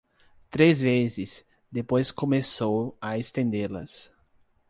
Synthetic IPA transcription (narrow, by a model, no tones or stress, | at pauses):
t̪ɾezvezɪz | d̪epojskomesowɐest̪ẽnd̪elɐ̰s